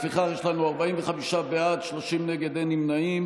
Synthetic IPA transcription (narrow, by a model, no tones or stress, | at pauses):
fiχaχjeʃlanuaʁbaimveχamiʃabeadʃloʃimneɡe̞d̪ejnimnaim